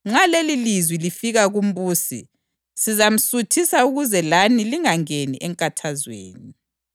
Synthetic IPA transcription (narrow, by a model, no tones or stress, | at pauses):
ŋ͡ǁalelilizwilifiɣaɣum̩βuːsḭ | sizam̩sutʰisauɣuzɛlaniliŋaŋenḭʔɛŋkʼatʰazwḛːni